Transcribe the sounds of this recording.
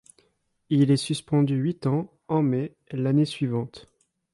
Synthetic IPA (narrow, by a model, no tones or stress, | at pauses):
ilɛsyspɑ̃d̪yɥit̪ɑ̃ | ɑ̃mɛ | lanesɥivɑ̃t̪